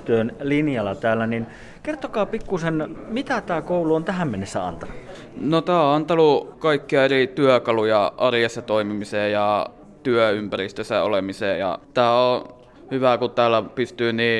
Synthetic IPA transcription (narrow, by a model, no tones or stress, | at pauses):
t̪yønlinjɑlːɑt̪æːlːˑænin | kert̪okɑːpikːusenmit̪æt̪æːkouluont̪æhæmmenːesːæɑ̰nt̪ɑnu | not̪æːoɑnt̪ɑlukɑikːiɑerit̪yøkɑlujɑʔɑrjɑsːɑt̪oimimiseːjɑ | t̪yøympærist̪øsːæ̰o̰lemiseːjɑ̰t̪æːo | hyʋækutt̪æːlːˑæpyst̪yːniː